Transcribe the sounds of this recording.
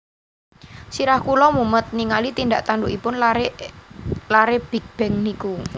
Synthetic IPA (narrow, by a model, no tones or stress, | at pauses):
siɾahkulɔmumət̪̚niŋalit̪ind̪aʔt̪anduʔipʊnl | laɾeb̥i̤k̚b̥ɛŋniku